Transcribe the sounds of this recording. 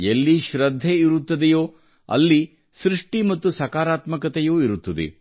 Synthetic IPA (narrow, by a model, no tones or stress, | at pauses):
elːiʃɾɐd̪ʱːeiɾut̪ːɐd̪ejoː | ɐ̰lːi | sɾiʂʈimɐt̪ːusɐkaːɾaːt̪mɐkɐt̪ɛjoːiɾut̪ːɐd̪ḛ